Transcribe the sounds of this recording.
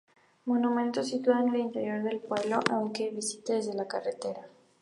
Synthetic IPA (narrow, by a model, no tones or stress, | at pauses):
mo̞numẽ̞nt̪o̞sit̪uaenelint̪e̞ɾjo̞ɾðe̞lpwe̞βlo̞ʔawŋke̞βisit̪eðe̞zðe̞lakare̞t̪e̞ɾa